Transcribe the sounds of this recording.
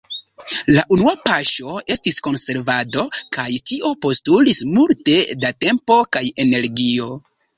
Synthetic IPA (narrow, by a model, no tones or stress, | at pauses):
laʔunuapaʃo̞e̞stisko̞nse̞ɾvado̞kajtiʔo̞po̞stulismulte̞date̞mpo̞kaje̞ne̞ɾɡio̞